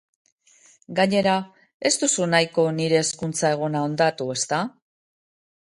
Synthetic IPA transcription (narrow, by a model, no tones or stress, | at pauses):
ɡaɲe̞ɾa | e̞st̪usunajko̞niɾe̞ːskunt͡sae̞ɣ̞onao̞nd̪at̪ue̞st̪a